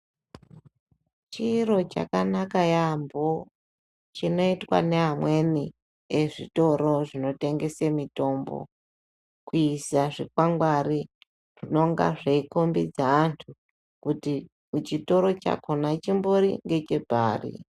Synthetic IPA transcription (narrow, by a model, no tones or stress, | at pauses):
t͡ʃiro̞t͡ʃa̰kanakajambo | t͡ʃino̞itwa̰ne̞ɦamwe̞ni | eʐito̞ɾo̞ʐino̞te̞ŋɡe̞semito̞mbo̰ | kuisaʐikwaŋɡwari | ʐ̥ino̞ŋɡa̰ʐeikombid͡zaːntʰu | kuti | mut͡ʃito̞ɾo̞t͡ʃa̰konat͡ʃimboɾḭŋɡe̞t͡ʃe̞bʱaːrḭ